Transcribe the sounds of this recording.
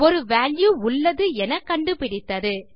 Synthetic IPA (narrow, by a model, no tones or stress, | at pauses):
ɔɾɯʋaːɭjuːʊɭːɐðɯɛnɐkːɐɳɖɯpɪɽɪt̪ːɐðɯ